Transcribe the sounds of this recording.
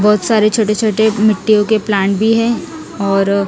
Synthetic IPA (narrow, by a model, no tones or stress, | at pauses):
bɔːt̪saːɾet͡ʃʰoːʈet͡ʃʰoːʈemɪʈːijõkeplaːɳʈbʱiɦɛ̃ | ɔːɾ